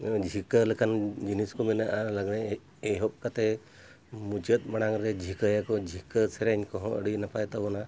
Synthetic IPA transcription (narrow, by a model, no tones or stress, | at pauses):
d͡ʒʱikələkʰand͡ʒiniskɔminəʔaɾləɡneː | ɦɔp̚kat̪e | mud͡ʒət̪̚məɽaŋɾed͡ʒʱikəjakɔd͡ʒʱikəseɾaɲkɔɦɔ̃ə̰ɽinəpajt̪abɔna